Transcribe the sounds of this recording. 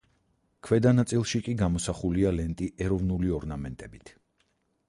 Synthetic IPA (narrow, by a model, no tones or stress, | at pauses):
kʰwɛd̪anat̪sʼilˠʃikʼiɡamɔsaχulialɛnt̪ʼiʔɛɾɔvnuliɔɾnamɛnt̪ʼɛbit̪ʰ